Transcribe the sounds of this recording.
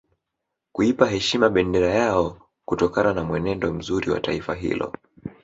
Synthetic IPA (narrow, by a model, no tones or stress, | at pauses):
kuipaɦɛʃimaɓɛndɛɾajaɔ | kutɔkananamwɛnɛndɔm̩zuɾiwa̰taifaɦḭlɔ̰